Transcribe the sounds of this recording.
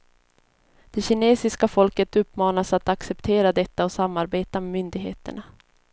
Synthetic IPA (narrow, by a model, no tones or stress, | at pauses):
d̪̥ɛɕɪneːsɪskafɔlkət̪ɵpːmɑːnasat̪aksɛpt̪ʰeːɾad̪ɛt̪ːaɔsamːaɾbeːt̪amɛmʏnd̪ɪɡɦḛːt̪ə̰ɳa